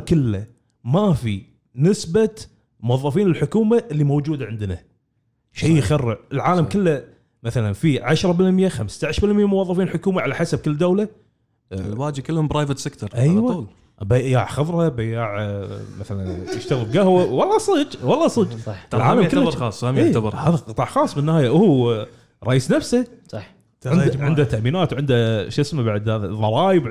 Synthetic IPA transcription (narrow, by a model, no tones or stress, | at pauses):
kɪlːa | mafi | nɪsbat̪ | mʊwɑðˤːɑfiːnəlħʊkuːmaʔɪlːimowd͡ʒuːd̪aʕɪnd̪na | ʃejxarːɪʕəlʕaːlamkɪlːa | maθalanfiʕaʃɾˤɑbɪlmjaxamst̪aʕɪʃɾbɪlmjamʊwɑðˤːɑfiːnlħʊkuːmaʕalaħasab̚kəlːd̪awla | waːd͡ʒ̚kəlːhʊmbɾɑːjvɪt̪sɪkt̪ʰɑɾˤʔajwaːl | ʔbajaːʕxɑðˤɾˤhɑbajaːʕmaθala̰njɪʃt̪aɣbɡahwawɑlˤːɑsˤɨd͡ʒwɑlˤːɑsˤɨd͡ʒˤɑħlʕaːlamkːaɾɑːsˤːameːabɾˤhaːðaqɨt̪ˤɑːʕxɑːsˤmɪnːhaːjaʔʊhu | ɾˤɑʔiːsnafsasˤɑħ | ʕɪnd̪ʕɪnd̪hat̪ːaʔmiːnaːt̪wʕɪnd̪aʃɪsmabaʕd̪aððˤɑɾˤɑːjɪb